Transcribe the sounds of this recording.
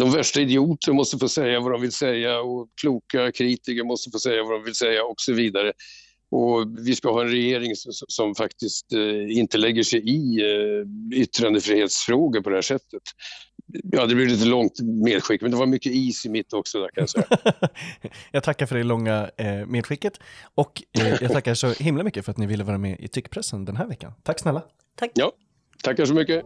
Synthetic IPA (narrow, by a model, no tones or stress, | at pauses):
d̪ɔmvæʂʈaɪd̪ɪuːt̪əɾmɔst̪əfoːsɛjːavad̪ɔmvɪlsɛjːaɔkʰluːkakʰɾiːt̪ɪkəɾmɔst̪əfoːsɛjːavaɖ̪ɔmvɪlsɛjːaɔksɔviːd̪aɾə | ʔɔvɪskahɑːɛnɾɛjeːɾɪŋsɔsɔsɔmfakt̪ɪst̪ɪnt̪əlɛɡːəʂɛjɪ | ʏt̪ːɾand̪əfɾiːheːt̪sfɾoːɡəpʰɔd̪ɛhæːʂɛt̪ʰːət̪ | jɑd̪ɛblɪvɪlɪt̪əlɔŋt̪meːd̪ɧɪkːmɛnd̪ɛvaɾmʏkːəiːsɪmɪt̪ʰːɔksɔd̪æɾkʰanjasɛa | jɑːɡ̚t̪ʰakːaɾfœɖɛlɔŋːameːd̪ɧɪkːət̪ɔkjɑɡt̪ʰakːaʂɔhɪmlamʏkːəfœɾat̪nɪvɪlːəvɑːɾamɛʔɪ̰t̪ʰʏkːpʰɾɛsːənd̪ɛnɦæːɾvɛkːa̰nt̪ʰakːsnɛlːa | jɑː | t̪ʰakːhæʂɔmʏkːə